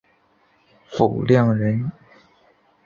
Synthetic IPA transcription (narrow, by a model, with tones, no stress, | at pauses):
fu˨˩ljɑ˥˩ŋɻə˧˥n